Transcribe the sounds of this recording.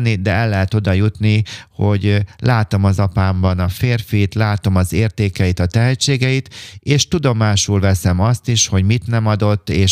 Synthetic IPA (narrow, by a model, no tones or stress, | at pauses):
nid̪ɛɛlːɛɦɛt̪o̞d̪ɒjut̪niho̞ɟlʔaːt̪o̞mɒzɒpaːmbɒnɒfeːrfit̪laːt̪o̞mɒzeːrt̪eːkɛjit̪ɒt̪ɛɦɛt͡ʃːeːɡɛit̪eːʃt̪ud̪o̞maːʃulvɛsɛmɒst̪iʃho̞ɟmit̪nɛmɒd̪o̞t̪ːeːʃ